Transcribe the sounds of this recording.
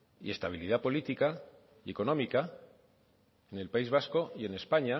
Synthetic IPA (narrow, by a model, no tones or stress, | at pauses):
ḭe̞st̪aβ̞iliðapo̞lit̪ika | ie̞ko̞nõ̞mika | ene̞lpaizβ̞asko̞je̞ne̞spaɲa